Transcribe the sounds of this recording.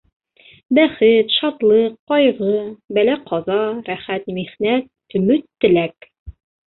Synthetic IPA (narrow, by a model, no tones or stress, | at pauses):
bæχɘt̪ʃɑt̪lˠɤqːɑjʁɤbælæqʰɑzɑɾæχæt̪miχnæt̪̚ɵ̆mɵt̪ːɘ̆læk